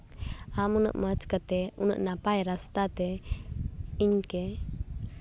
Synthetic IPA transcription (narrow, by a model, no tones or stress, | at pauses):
amunə̰ʔmət͡ʃkat̪ɛunə̰ʔnapajɾast̪at̪ɛ | iɲkɛ